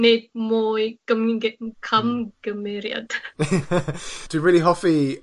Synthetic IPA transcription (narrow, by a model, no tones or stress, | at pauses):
ned̚moːjɡ̥əmɡkʰamɡ̥əmɪɾja̰d̥ | dʰəbiɹɪːliɦɔfi